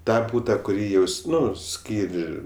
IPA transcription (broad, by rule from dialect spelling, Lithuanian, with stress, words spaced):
ˈtɑː ˈbuːtɐ kʊˈrʲiː jɛʊs ˈnʊ ˈsʲkʲiːrʲ